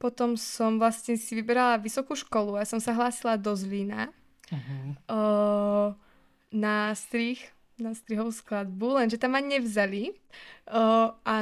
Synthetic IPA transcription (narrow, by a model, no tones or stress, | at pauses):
pɔt̪ɔmsɔmvlasɲɛsiʋibɛɾalaʋisɔkuːʃkɔluaasɔmsaɦlaːsilad̪ɔzlina | nast̪ɾix | nast̪ɾiɦɔʋusklad̪̚bulɛnʒɛt̪amaɲɲɛvzali | ʔa